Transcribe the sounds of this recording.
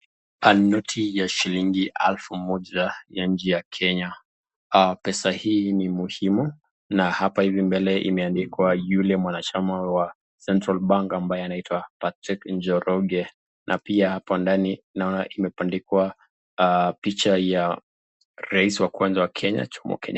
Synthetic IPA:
anɔtʰijaʃiliŋɡiʔa̰lfumɔʄajaɲ̩d͡ʒɛjakʰɛɲa | pɛsahiːnimuhimu | nahapahivimbɛlɛʔḭmɛandikwajulɛmwanat͡ʃamawa | sɛntɾalɓaŋkambajɛanaitwapatɾikɲd͡ʒɔɾɔɡɛ | nʔapiahapandaninaɔnaʔimɛpandikwa | pit͡ʃaja | ɾaisiwakwanzawakʰɛɲa̰t͡ʃumbɔ̰kɛ̰ɲa

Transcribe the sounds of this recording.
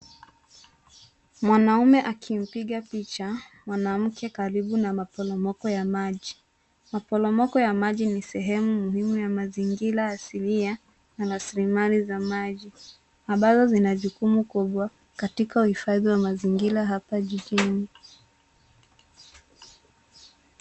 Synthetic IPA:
mwanaumɛʔakʰim̩piɠapit͡ʃamwanam̩kʰɛkaɾiɓunamapɔlɔmɔkɔjamaʄi | mapɔlɔmɔkɔjamaʄinisɛɦɛmumuhimujamaziŋɡiɾaːsilia | naɾasilimalizamaʄi | aɓazɔzinaʄukumukuɓwa | katikauhifaðiwamaziŋɡiɾaɦapaʄiʄini

